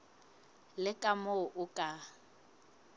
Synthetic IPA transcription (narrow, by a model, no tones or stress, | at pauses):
lɪkʼamoʔʊkʼa